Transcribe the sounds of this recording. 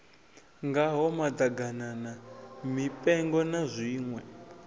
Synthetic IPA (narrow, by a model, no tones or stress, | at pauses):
ŋɡaɦɔmad̪aɡananamipʼɛŋɡɔnazʷiːŋwɛ